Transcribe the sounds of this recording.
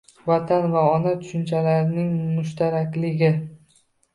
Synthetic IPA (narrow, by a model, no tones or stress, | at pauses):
vat̪ʰanvaɒnat̪ʰʊ̥ʃɪnt͡ʃʰalaɾɪnɪŋmʊʃt̪ʰaɾakʲlɪɡʲɪ